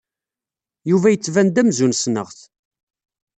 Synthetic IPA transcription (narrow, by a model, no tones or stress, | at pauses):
juvæjət͡sːvænd̪æmzunsnə̰ʁθ